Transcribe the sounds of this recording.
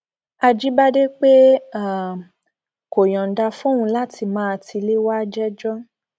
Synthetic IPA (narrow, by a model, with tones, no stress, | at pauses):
a˧d͡ʒi˦ba˦de˦k͡pe˦a˦˨ | ko˨jɔ̃˨n̩˨da˧fũ˦ũ˧˦la˦ti˧mã˦˧ti˧le˦wa˦d͡ʒɛ˦d͡ʒɔ˦